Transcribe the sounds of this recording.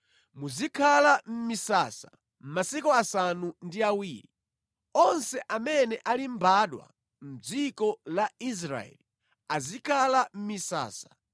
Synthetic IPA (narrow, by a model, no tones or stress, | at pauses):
muzikʰalam̩misasa | m̩masikuasanundiawiːɾi | ɔnsɛʔamɛnɛʔalimbaːɗwa̰ | m̩d͡zikɔlais̬ɾa̰ɛ̰li | azikʰalam̩misa̰ːsḁ